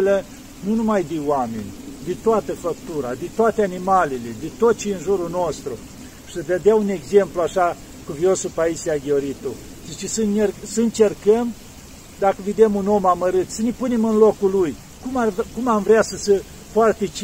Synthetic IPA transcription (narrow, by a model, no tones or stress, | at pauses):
lə | nunumajd̪ewamenʲd̪et̪oat̪əfək̚t̪uɾa̰d̪ent̪oat̪eanimalele̞d̪et̪ot̪̚t͡ʃiɨnʒuɾuno̞st̪ɾu | ʃi̥səd̪ed̪eaune̞ɡze̞mpluaʃa | kuviosupaisiaɡʲeoɾit̪u | d̪it͡ʃisənersəɨnt͡ʃe̞rkəm | d̪akəved̪e̞muno̞maməɾɨt̪sənepune̞mɨnlokuluj | kumarkumamvɾeasəsə | foart̪et͡ʃ